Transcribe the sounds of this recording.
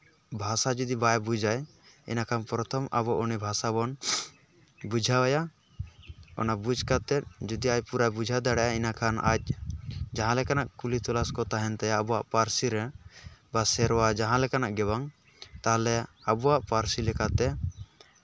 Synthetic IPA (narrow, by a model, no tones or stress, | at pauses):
bʱasad͡ʒud̪ibajbud͡ʒaj | ɛ̰nakʰanpɾɔt̪ʰɔmʔabɔʔɔnɛbʱasabɔn | bud͡ʒʱawaja | ɔ̰nabud͡ʒkat̪ɛt̪̚d͡ʒud̪iac̚puɾabud͡ʒʱad̪aɽɛʔainakʰana̰c̚d͡ʒaɦãlɛkanaʔkulit̪ɔlaskɔt̪aɦɛnt̪ajaːbɔwaʔpaɾsiɾɛbasɛɾwad͡ʒaɦãlɛkanaʔɡɛbaŋ | t̪aɦlɛabɔwaʔpaɾsilɛkat̪ɛ